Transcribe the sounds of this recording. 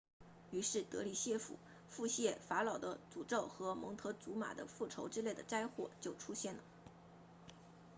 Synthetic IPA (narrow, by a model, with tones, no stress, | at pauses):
y˧˥ʂɻ̩˥˩t̪ɤ˧˥li˨˩ɕjɛ˥˩fṵ˨˩˦ | fu˥˧ɕjɛ˥˩fa˧˥lɑ˨˩ʊd̪ə̰˦t͡su˨˩ʈ͡ʂo˥˩ʊxɤ˧˥mɤ˧˥ŋt̪ʰɤ˧˥t͡su˧˥ma̰˨˩d̪ə̰˦fu˥˩ʈ͡ʂʰo˧˥ʊʈ͡ʂɻ̩˥le˥˩ɪd̪ə˩ʈ͡ʂa˥ɪxwɔ˥˩t͡ɕjo˥˩ʊʈ͡ʂʰu˥ɕjɛ˥˩nlə˩